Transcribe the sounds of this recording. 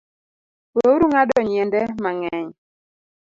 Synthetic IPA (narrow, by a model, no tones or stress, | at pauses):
poɾuŋadɔɲɛndɛmaŋɛɲ